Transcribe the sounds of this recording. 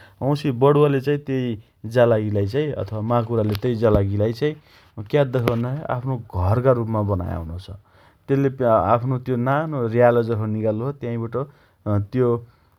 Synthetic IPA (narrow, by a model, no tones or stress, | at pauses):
ʌ̃w̃sibʌɽuwalet͡saĩt̪jej | d͡zalaɡilajt͡saĩʌ̰t̪ʰʌwamakuɾalet̪jʌjd͡zalaɡilajt͡saĩ | kjad̪ekʰʌnʌa̰pʰnoɡʱʌrkaɾupmabʌna̰ja̰wnot͡sʰʌ | t̪elːea̰pʰnot̪jonanorijalod͡zʌɦoniɡaluɦot̪jãĩbaʈʌ | t̪jo